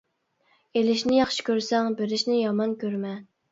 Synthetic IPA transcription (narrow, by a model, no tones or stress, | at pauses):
elɪʃnɪjɑχʃi̥kʲøɾsɛŋbeɾɪʃnɪjɑmɑnkʲøɾmɛ